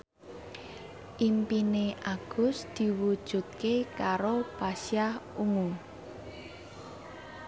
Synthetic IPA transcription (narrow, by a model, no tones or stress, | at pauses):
ʔimpineʔaɡ̥ʊ̤sd̪̥i̤wud̥ʒ̥ṳt̪̚kekaɾopasjahuŋu